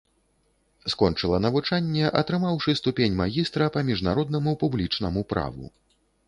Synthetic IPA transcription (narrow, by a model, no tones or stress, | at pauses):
skɔnt͡ʂɨlˠɐnɐvut͡ʂanʲːɛʔɐt̪ɾɨmawʂɨst̪upʲenʲmaɣʲist̪ɾɐpɐmʲiʐnaɾɔd̪nɐmupublʲit͡ʂnɐmupɾa̰vṵ